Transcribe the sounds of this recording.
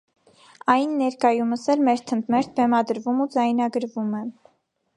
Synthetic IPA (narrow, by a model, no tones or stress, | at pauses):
ɑjnːɛɾkɑjuməsɛlmɛɾt̪ʰənt̪mɛɾt̪̚ʰbɛmɑd̪əɾvumud͡zɑjnɑɡəɾvumɛ